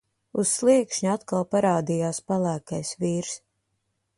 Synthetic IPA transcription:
usːlˠiɛkʃɲuat̪kalˠpaɾaːd̪ijaːspalˠæːkajsviːɾs

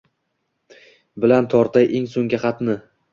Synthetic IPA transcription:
bɪlant̪ʰɒɾt̪ʰajʔeŋsoŋɡʲaχɑt̪nɪ

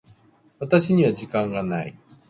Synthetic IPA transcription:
βat̪aɕiɲ̟iβaʑikãŋɡanai

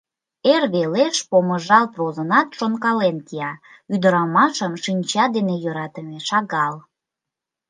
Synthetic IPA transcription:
erβeleʃpoməʒɑlprozənɑt̪ʃonkɑlenkijɑ | yd̪əɾɑmɑʃəmʃinʲt͡ɕɑd̪enejøɾɑt̪əmeʃɑɣɑl

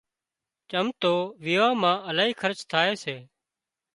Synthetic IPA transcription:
t͡ʃəmt̪oːʋiːʋãːmãːʔəlaːiːkʰəɾt͡ʃt̪ʰaːeːseː

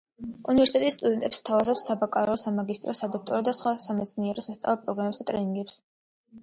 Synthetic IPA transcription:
univɛɾsit̪ɛt̪ʼisːt̪ʼud̪ɛnt̪ʼɛpst̪ʰavazɔpsabakʼaɾɔsamaɡist̪ʼɾɔsad̪ɔk̚ʰt̪ʼɔɾɔd̪asχwasamɛt̪sʰniɛɾɔsast̪sʼa̰vlˠɛpʼɾɔɡɾamɛpsd̪at̪ʼɾɛniŋɡɛps

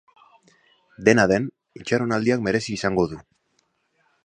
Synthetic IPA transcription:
d̪e̞naðe̞n | it͡ʃaɾonald̪iakme̞ɾe̞siːsaŋɡo̞ðu

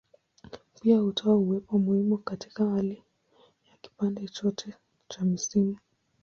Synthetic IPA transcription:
piahutʰɔauwɛpɔmuhimukati̥kahali | jaki̥pandɛt͡ʃɔtʰɛ | t͡ʃamisini

